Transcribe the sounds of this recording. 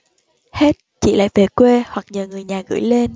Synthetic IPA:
he˦˥t̚t͡ɕḭ˧˨la̰ː˧˨jve˨˩kwe˧hwa˨˩k̚ɲəː˨˩ŋɨ˨˩əjɲaː˨˩ɣɨ̰˧˥˦jle˧n

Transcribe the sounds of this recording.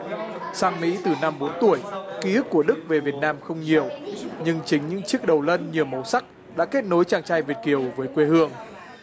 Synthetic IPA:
saː˧ŋmḭ˧˥t̪ɨ˨˩na˧mɓo˨˦nt̪u˧˩əjki˨˦ɨ˦˥k̚ːu˧˩əɗɨ˦˥k̚ve˨˩vi˨˩ət̚naː˧mxə˧wŋ͡mɲi˨˩əwɲɨ˧ŋt͡ɕï˨˦ŋ̟ɲɨ̰˧˥ŋt͡ɕɨ˦˥ək̚ɗə˨˩wlə˧nɲi˨˩əwmə˨˦wsa˦˥k̚ | ɗa̰ː˧˥ke˦˥t̚no˨˦jt͡ɕaː˧˩ŋt͡ɕaː˧jvi˨˩ət̚ki˨˩əwvəː˨˦jkwe˧hɨ˧əŋ

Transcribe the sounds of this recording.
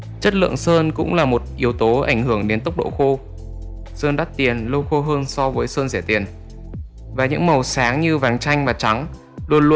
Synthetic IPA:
t͡ɕə˦˥t̚lɨ̰˧˨əŋsəː˧nkʊ̰˧˥ŋ͡mlaː˨˩mo˨˩t̚ʔi˨˦əwt̪o˨˦ʔa̰˧˩jŋ̟hɨ˧˩əŋɗe˨˦nt̪ə˦˥wk͡p̚ɗo̰˧˨xo˧ | səː˧nɗa˦˥t̚t̪i˨˩ənlo˧wxo˧ɦəː˧nsɔ˧vəː˨˦jsəː˧nzɛ˧˩t̪i˨˩ən | vaː˨˩ɲɨ̰˧˥ŋmə˨˩wsaː˨˦ŋɲɨ˧vaː˨˦nt͡ɕa˧jŋ̟maː˨˩t͡ɕa˨˦ŋ | lu˧ənlu˧

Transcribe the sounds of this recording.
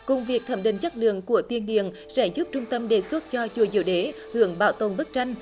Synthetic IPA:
kʊ˧ŋ͡mvi˨˩ək̚t̪ʰə˧˩mɗḭ˧˨˩ŋt͡ɕa˦˥t̚lɨ̰˧˨əŋku˧˩ət̪i˧ənɗḭ˧˨ən | sɛ̰˧˥zu˦˥p̚t͡ɕʊ˧ŋ͡mt̪ə˧mɗe˨˩swə˦˥t̚t͡ɕɔ˧t͡ɕu˧˩əzḭ˧˨əwɗe˨˦ | hɨ˧˩˨əŋɓa̰ː˧˩wt̪o˨˩nɓə˦˥t̚t͡ɕa˧jŋ̟

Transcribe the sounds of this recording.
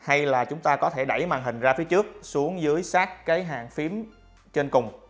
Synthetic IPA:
ha˧jlaː˨˩t͡ɕʊ˨˦ŋ͡mt̪aː˧kɔ˨˦t̪ʰe˧˩ɗa˧˩jma̰ː˨˩ŋɦï˨˩ŋ̟zaː˧fi˨˦t͡ɕɨ˦˥ək̚su˨˦əŋzɨ˨˦əjsaː˦˥k̚ːaː˨˦jɦa̰ː˧˨ŋfi˨˦əm | t͡ɕe˧nkʊ˨˩ŋ͡m

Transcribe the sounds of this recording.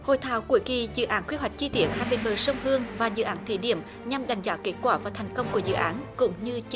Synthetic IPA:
ho̰˧˨jt̪ʰaː˧˦wku˧˩əjki˨˩zɨ̰˧˨ʔaː˨˦nkwi˧ɦwa˨˩jk̟̚t͡ɕi˧t̪i˧˦ənhaː˧˩ɓḛ˧˨nɓəː˨˩sə˧wŋ͡mɦɨ˧əŋvaː˨˩zɨ̰˧˨ʔaː˨˦nt̪ʰḭ˧˩ɗḭ˧˨əm | ɲa˨˩mɗa˨˩jŋ̟zɔː˨˧˦ke˨˦˥t̚kwaː˧˩vaː˨˩t̪ʰɛ˨˩ŋ̟kə˧wŋ͡mku˧˩əzɨ̰˧˨ʔaː˨˦nkʊ̰˧˥ŋ͡mɲɨ˧t͡ɕ

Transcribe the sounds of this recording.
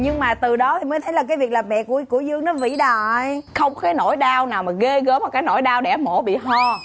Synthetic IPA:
ɲɨ˧ŋmaː˨˩t̪ɨ˨˩ɗɔ˨˦t̪ʰi˨˩məː˨˦jt̪ʰə˨˦jlaː˨˩kaː˨˦jvi˨˩ək̚laː˨˩mɛ̰˧˨ku˧˩əku˧˩əzɨ˧əŋnɔ˨˦vḭ˧˨ɗaː˧˨jxə˧wŋ͡mɔ˨˧kaː˨˦jno̰˧˩jɗaː˧wnaː˨˩wmaː˨˩ɣe˧ɣəː˨˦mɔ˨˩kaː˨˦jno̰˧˩˨jɗaː˧wɗɛ̰˧˩mo˧˩˦ɓḭ˧˨ɦɔ˧˩

